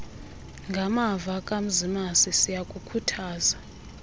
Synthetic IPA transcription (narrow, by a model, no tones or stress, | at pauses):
ŋɡʱamavakʼam̩zimasisijakʼukʰutʰaːza